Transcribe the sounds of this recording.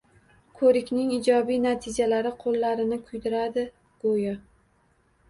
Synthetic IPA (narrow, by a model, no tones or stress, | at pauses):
kʰɵɾɪkʲnɪŋɪd͡ʒɒbijnat̪ʰɪd͡ʒalaɾɪqʰolːaɾɪnɪkʰʊjd̪ɪɾad̪ɪ | ɡ̥ojɒ